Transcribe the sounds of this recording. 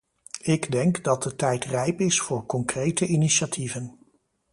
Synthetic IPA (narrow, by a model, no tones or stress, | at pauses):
ɪɡdɛŋkdɑt̚dətɛjtrɛjpɪsfʊːɹkɔŋkrejtəʔiniʃatʰivən